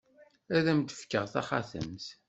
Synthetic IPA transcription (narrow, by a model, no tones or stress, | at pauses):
æðæmd̪ə̥fkːəʁθaχaθə̰mθ